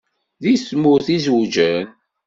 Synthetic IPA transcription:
ðismʊɾθizud͡ʒən

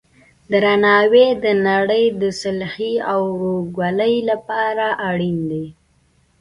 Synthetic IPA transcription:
d̪əɾanɑwed̪ənaɽəjd̪əsɪlhiawɾoɡwaləjlapɑɾaʔaɽind̪e

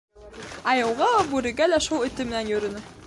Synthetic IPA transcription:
ɑjɤ̆wʁɑlˠɑbʉɾɘ̆ɡælæʃulˠɵ̆t̪ɘmɘ̆nænjɵ̆ɾɵ̆nɘ

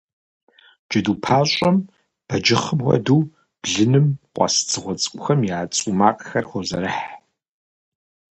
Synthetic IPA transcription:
d͡ʒd͡ʒɐduːpʰaːɕʼɐm | b̥ɐd͡ʒɪχəmʁɐ̰duː | b̥ɮɨnɨmqʷʼɑ̰st͡sʰɨʁʷɔt͡sʼkʷʼʊxɐmjaːt͡sʼumaːqʼxɐrχʷɔzɐɾɨħ

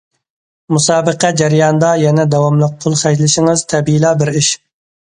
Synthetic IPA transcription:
musɑːbəqʰɛd͡ʒɛɾjɑnd̪ɑjɛnɛd̪ɛwɑmlˠəq̚qʰʊlˠχɛʒlɪʃɪŋɨz̥t̪ʰɛbiilˠɑːbɪɾiʃ

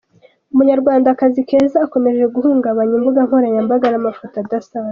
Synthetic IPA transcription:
umuɲaɾɡwaːndakazike̞ːzaːko̞meʒe̞ɡuhuːŋɡaβaɲumbuɡaŋ̥oɾajambaɡanamafotadasaβa

